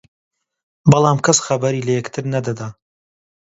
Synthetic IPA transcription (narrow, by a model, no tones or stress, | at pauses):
bɑlˠamkʰɐsxɐbɐɾilɐjɛkt̪ʰɨɾnɐd̪ɐd̪aː